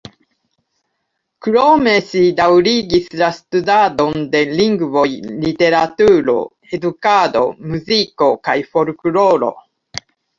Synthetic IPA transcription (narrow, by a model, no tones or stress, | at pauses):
kɾo̞me̞sidawɾiɡislastudado̞nde̞liŋɡvo̞jlite̞ɾatuɾo̞̰ | e̞dukado̞̰muziko̞kajfo̞ɾkulo̞ɾo̞̰